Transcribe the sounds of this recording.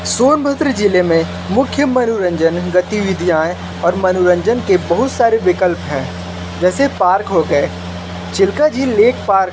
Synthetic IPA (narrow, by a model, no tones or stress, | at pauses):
soːnbʱət̪ɾid͡ʒɪlemẽ | mʊkʰjəmɐnʊɾə̃ɲd͡ʒənɡət̪iʋɪd̪ʱijaːj | ɔːɾmɐnʊɾə̃ɲd͡ʒənkebɐɦʊt̪saːɾeʋɪkəlpɦɛ̃ː | d͡ʒɛːsepaːɾkɦoɡəeː | t͡ʃɪlkad͡ʒʱileːkʰpaːɾk